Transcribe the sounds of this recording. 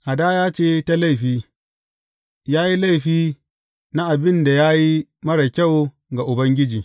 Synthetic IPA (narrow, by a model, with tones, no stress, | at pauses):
ʔa˨daː˦jaː˦t͡ʃeː˦ta˦la˦˨ɸiː˦ | jaː˦ji˦la˦jɸiː˦ | na˦ʔa˨bɪ˦nda˨jaː˦ji˦mɐ˦ɽɐ˨kʲa˦˨w | ɡa˨ʔʊ˨bɐ˦ŋɡʲɪ˦d͡ʒiː˨